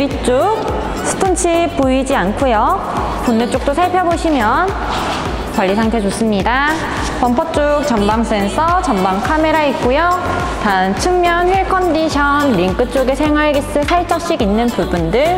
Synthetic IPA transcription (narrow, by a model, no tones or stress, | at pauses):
it͡ɕ͈ok̚ | sʰɯ̥tʰʌnt͡ɕʰip͈uid͡ʑiankʰojo | ponːet͡ɕ͈ok̚t͈osʰaɭpʰjʌboɕʰimjʌn | kwaɭːisʰaŋtʰe̞t͡ɕos͈ɯmɲida | pʌmpʰʌt͡ɕ͈uk̚t͡ɕʌmbaŋs͈ʰensʰʌt͡ɕʌmbaŋkʰame̞ɾaik̚k͈ujo | tant͡ɕʰɯŋmjʌnɸeɭkʰʌndiɕʰʌnɾiŋk͈ɯt͡ɕ͈oɡesʰe̞ŋɦwaɭɡis͈ɯsʰaɭt͡ɕ͈ʌk̚ɕ͈iɡinːɯnpubundɯɭ